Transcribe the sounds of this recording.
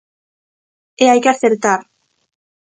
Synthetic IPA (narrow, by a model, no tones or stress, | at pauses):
eajkaθeɾt̪aɾ